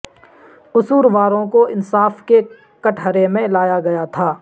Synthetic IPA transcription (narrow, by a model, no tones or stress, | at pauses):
ʊsuːɾʋaːɾõkoɪnsaːfke | kɐʈʰəɾemẽlaːjaɡɐjat̪ʰaː